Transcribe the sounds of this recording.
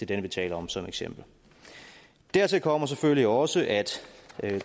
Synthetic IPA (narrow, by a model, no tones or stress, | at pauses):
edenʋit͡sʰɛ̰ːlɐɒ̽msɒ̽meɡ̥sem̰b̥l̩ | d̥æɐt͡sʰe̝lkʰɒ̽m̰ɐs̬efølliɒ̽səʔæd̥